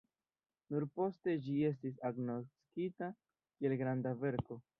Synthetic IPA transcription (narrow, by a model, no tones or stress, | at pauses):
nuɾpo̞ste̞d͡ʒie̞s̬tis̬aɡno̞t͡skita | kie̞lɡɾandave̞ɾko̞